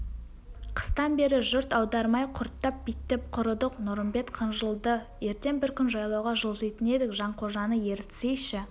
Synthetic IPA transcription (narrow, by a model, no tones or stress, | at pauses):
qʰə̥st̪ɑnbe̞ɾɪʒʊɾt̪ɑwd̪ɑɾmɑjqʰʊɾt̪ːɑp̚bit̪ːɪp̚qʰʊɾəd̪əqnʊɾəmbe̞t̪qʰənʒəlˠd̪ə | je̞ɾt̪e̞ŋbɪɾkʲʰʏnʒɑjlˠɑwʁɑʒəlˠsejt̪ɪne̞d̪ɪkʒɑɴqʰoʒɑnəje̞ɾt̪ɪ̥sejʃɪ